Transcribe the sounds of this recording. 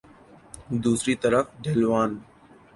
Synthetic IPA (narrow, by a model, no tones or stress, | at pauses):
d̪uːsɾiːt̪əɾəfɖʱeːlʋaːn